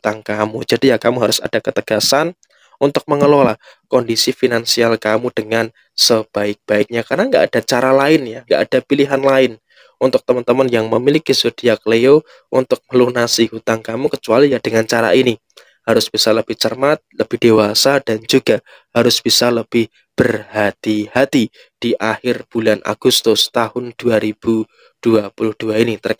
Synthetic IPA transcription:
ut̪aŋkamud͡ʒadijakamuɦaɾʊsa̰d̥akət̪əɡ̥asan | unt̪ʊk̚məŋəlola̰ | kɔndisifinansialkamud̥əŋan | səb̥aɪk̚b̥aɪk̚ɲakarnaŋɡaʔad̥at͡ʃaɾalaɪnjaŋɡa̰ʔad̥apiliɦanlaɪn | ʔunt̪ʊk̚t̪əmənt̪əmənjaŋməmilikisudiakleo | ʔunt̪ʊk̚məlunasihut̪aŋkamukət͡ʃualijad̥əŋant͡ʃaɾa̰ini | haɾʊsb̥isaləb̥ɪht͡ʃərmat̪̚ləb̥ɪhd̥ewasad̥and͡ʒuɡa | haɾʊsb̥isaləb̥ɪh | b̥ərhat̪ihat̪i | d̥iʔahɪrb̥ulanʔa̰ɡ̥ust̪ʊst̪ahʊnd̥uaɾib̥u | d̥uapulʊhd̥uainit̪ər

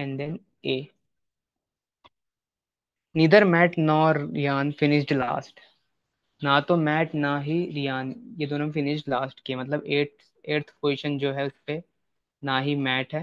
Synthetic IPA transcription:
ɛ̃ɳɖd̪ɛn | eː | niːd̪əɾmɛːʈnɔːɾɪjaːnfɪnɪʃʈla̰ːsʈ | nat̪omɛːʈnaɦiɾijaːnjed̪oːnõmfɪnɪʃʈlaːsʈkiemɐt̪ləbeː | eːɾt̪ʰpoːɪʃənd͡ʒoːɦɛʊspe | naːɦimɛːʈɦɛː

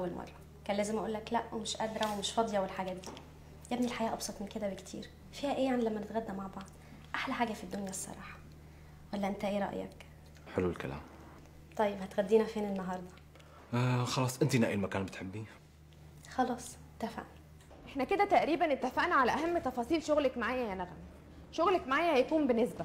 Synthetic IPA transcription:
ʔæwːælmʔɑ̰rˤːɑ | kæːnlæːzemʔæʔuːlːæklæʔwmeʃʔæd̪ɾˤɑwemeʃfɑd̪ˤjɑwelħaɡæːt̪̚d̪iː | jæbnilħajæːʔɑbsˤɑt̪ˤmenked̪æbekt̪ʰḭːɾ | fiːhæʔeːjaʕnilæmːænet̪ɣæd̪ːæmaʕbɑʕd̪ˤ | ʔaħlæħaːɡæfid̪ːonjæsˤːɑ̰ɾˤɑ̰ːħɑ̥ | wælːæʔent̪æʔeːɾˤɑ̰ʔjɑ̰k | ħeluwelkæ̰læ̰ːm | t̪ˤɑjːebhæt̪ɣæd̪ːiːnæfeːnenːɑɦɑɾˤd̪ˤɑ | xɑlɑːsˤʔent̪inæ̰ːʔilmækæːnbet̪ħebːi | xɑlɑːsˤet̪ːæfa̰ʔn | ʔeħnæked̪æt̪æʔɾiːbænet̪ːæfaʔnaʕalæʔæɦæmːt̪ɑfɑːsˤiːlʃoɣlækmaʕaːjæjænæɣnæ | ʃoɣlækmaʕaːjæhæjkuːmbenːesbæ

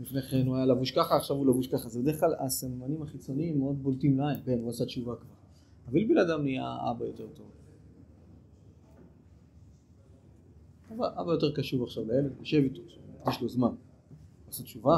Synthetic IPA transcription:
lifneχenuajalavuʃkaχaːχʃavulavuʃkaχazebede̞klalasamːanimaχit͡so̞niimːeo̞d̪̚boltimlaimbenuasat̪t͡ʃuvakaχa | avalbenadamnia̰a̰bajote̞ʁt̪o̞v | abaʔabajo̞teʁkaʃuvaχʃavleelevmiʃevit̪oʃaaɡd̪iʃlozman | uasatt͡ʃuva

